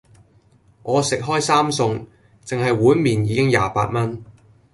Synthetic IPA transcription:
ŋʔɔː˨˧sɪ˨k̚ɦɔː˥jsaː˥msʊ˧ŋ | t͡sɪ˨ŋɦɐ˨jwuː˨˥nmiː˨njiː˨˧kɪ˥ŋja̰ː˨pa̰ː˧t̚mɐ˥n

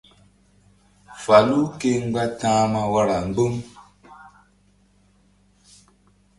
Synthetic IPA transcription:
fa˨lu˦ke˦ŋ̩˦ɡ͡ba˦tãː˦ma˦wa˦ɾa˨ŋ̩˨˦ɡ͡bə˦ŋ

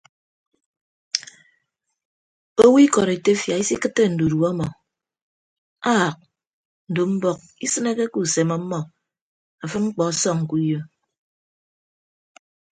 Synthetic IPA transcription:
o˦wi˦kɔ˨ɾe˨te˦fja˨i˦si˦kɨ˦tːe˦n̩˨du˨du˨ɔ˦mɔ˨ | a˦a˨k̚ | n̩˨do˨m̩˦bɔ˦k̚i˦sɨ˦ne˦ke˦ku˨se˨mɔ˦mːɔ˨ | a˨fɨ˦ŋ͡m̩˦k͡pɔ˨a˦sɔ˦ŋ̩˨ku˦jo˦

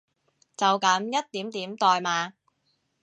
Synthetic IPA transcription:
t͡sɐ˨wkɐ˨˥mjɐ˥t̚t̪iː˨˥mt̪iː˨˥mt̪ɔː˨jmaː˨˧

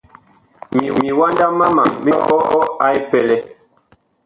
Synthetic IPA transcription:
mi˨mi˨wa˦nda˦ma˦ma˨mbi˦ʔɔ˦ʔɔ˦a˨˦i˦pɛ˨lɛ˦

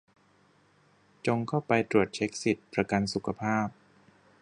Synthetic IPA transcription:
t͡ɕo˧ŋkʰa˥˩wpa˧jt̪ɾu˨˩ət̪̚t͡ɕʰe˦˥k̚si˨˩t̪̚pɾa˧ka˧nsu˨˩kʰa˧pʰaː˥˩p̚

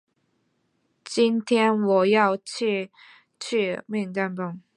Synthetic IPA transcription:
t͡ɕi˥nt̪ʰjɛ˥nwɔ˨˩jɑ˥˧ʊt͡ɕʰi˥˧ | t͡ɕʰy˥˧mi˥˧ŋt̪a˥npə˥˩ŋ

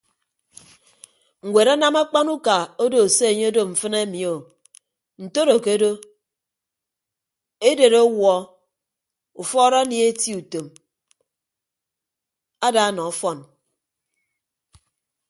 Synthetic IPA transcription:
ŋ̩˨wʷe˨ɾa˦na˦ma˦k͡pa˦nu˦ka˨o˦do˨se˦e˨ɲe˦o˦do˦ɱ̩˨fɨ˦ne˦mi˨o˨ | n̩˨to˦ɾo˨ke˦o˦do˦ | e˦de˨ɾo˦wɔ˨ | u˨fɔ˦ɾa˦ni˨˦e˦ti˦u˨to˨m | a˦da˨˦nɔ˨ɔ˨˦fɔ˦n

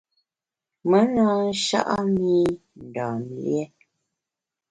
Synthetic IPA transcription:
mə˨˦na˦n̩˦ʃa̰˦ʔa˦mi˦ | n̩˨dɔː˨n˨ljɛ˦

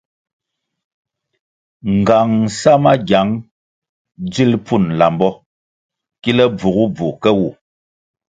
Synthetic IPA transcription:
ŋ̩˨ɡa˨ŋ˨sa˦ma˦ɡja˨˦ŋ | d͡zi˦lpu˦˨nla˨mbɔ˦ | ki˦lɛ˦b͡vu˨ɣu˦b͡vu˨kɛ˦wu˦˨

